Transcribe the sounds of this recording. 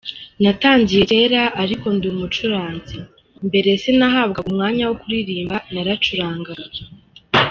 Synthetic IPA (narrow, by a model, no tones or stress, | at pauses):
nataːɲɟije̞ɾe̞ːɾaʔaɾiko̞ndumut͡ʃuɾaːnzi | mbe̞ɾe̞se̞naɦaːb̚ɡaumŋaːɲawokuɾiɾiːmbanaɾat͡ʃuɾaːŋɡa